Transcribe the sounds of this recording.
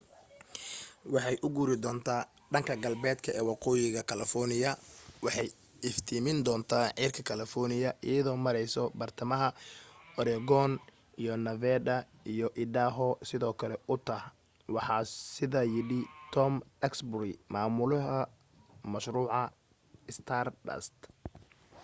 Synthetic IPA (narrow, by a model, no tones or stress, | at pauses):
wɑħɑjʔʊɡuːɾɪd̪ɔːnt̪ʰaː | ɖɐŋkʰɐɡɐlbɛːd̪kʰɐʔɛːwɑqɔːjɪɣɐkʰɐlɐfɔrnɪjɐwɑħɑj | ɪft̪ʰiːmɪnd̪ɔːnt̪ʰaːʕiːrkʰɐkʰɐlɐfɔrnɪjɐʔɪjɐðɔːmɐɾɛjsɔbɐrt̪ʰɐmɐɦɐɔɾɛɡɔn | ijɔnɐvɛːdɐ | ijɔʔɪɖaːɦɔsɪðɔːkʰɐlɛʊt̪ʰɐh | wɑħɑːsɪðajɪɽɪt̪ʰɔmɛksbɾɪmaːmʊlɐɦɐ | mɐʃruːʕɑ | ɪst̪ʰaːrɖɐ̰st̪